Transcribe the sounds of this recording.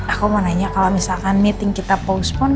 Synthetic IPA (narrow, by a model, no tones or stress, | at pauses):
akumanaɲakalomisalkanmit̪iŋkit̪apouspʊn